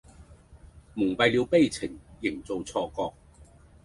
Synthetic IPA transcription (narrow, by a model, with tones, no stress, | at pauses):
mʊ˨˩ŋpɐ˨˧jliː˨˧wpe˥˧jt͡sʰɪ˨˩ŋjɪ˨˩ŋt͡so˨wt͡sʰɔː˧kɔː˧k̚